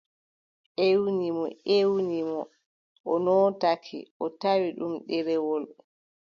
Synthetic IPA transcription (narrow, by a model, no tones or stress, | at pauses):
ʔewnimɔewnimɔ | ɔnɔtakʰḭʔɔtawiɗumɗɛɾɛwɔl